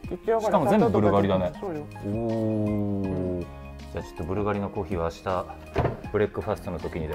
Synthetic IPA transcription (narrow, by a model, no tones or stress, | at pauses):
ɕikamo̞ze̞mbɯ̟bɯ̟ɾɯɡaɾid̪ane̞ | oː | d͡ʑaːt͡ɕo̥t̪ːobɯ̟ɾɯ̟ɡaɾʲino̞ko̞ːçiːβaːɕi̥t̪a | b̥ɯ̟ɾekːɯ̟ɸasɨ̥t̪onot̪o̞kʲiɲ̟id̪e